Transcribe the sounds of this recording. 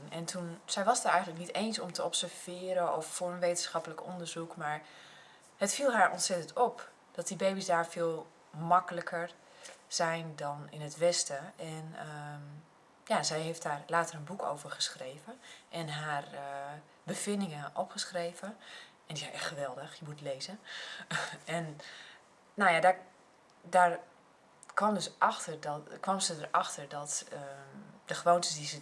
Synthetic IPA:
nɛntʰunz̥ɛjʋɑsətɛjɣənləknitejnsɔmtʰəɔpsəɹv̥ɪːɾəɔfːʊːɹənʋejtənsxɑpələkɔndəɹzukmaːɹ | hətfilˠɦaːɹɔntsɛtəntɔp | d̥ɔt̚dibejbisdaːɹfɪːlˠ | mɑkələkʰəɹ | z̥ɛjndɔnɪnətʋɛstəʔɛnə | jazɛjɦeft̚daːɹlaːtərənbuko̰wvəɹχəsχrejvəʔɛnɦaːr | bəfɪndɪŋəʔɔpχəsxreːvə | ɛndizɛjʔɛxtxəʋɛlˠdəxjəmutleːzə | ɛn | nojada | dar | kʋɔmdøsʔɑxtərdɔkʋɔmzədərɑxtərdɔtəd̥əxəʋoːntəsdizə

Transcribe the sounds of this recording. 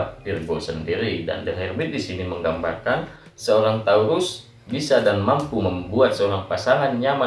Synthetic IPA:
p̚tirɡosəndiɾida̰ndəɦɛrbɪt̪̚disiniməŋɡambarkan | səoɾaŋt̪auɾʊs | bisadanmampuməmbuat̪̚səoɾaŋpasaŋanɲama

